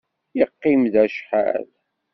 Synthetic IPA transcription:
jəqːimðæʃħa̰l

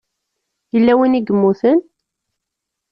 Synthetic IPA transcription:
jəlːæwiniɡəmːuθən

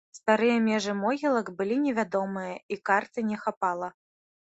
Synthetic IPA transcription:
st̪aɾɨjɐmʲɛʐɨmɔɣʲilˠɐkbɨlʲinʲɛvʲad̪ɔmɨjɐikart̪ɨnʲɛxapalˠɐ

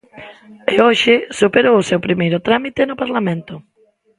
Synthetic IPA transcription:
ɪoʃɪsupeɾowʊsewpɾimejɾʊt̪ɾamit̪enʊpaɾlamẽnt̪ʊ

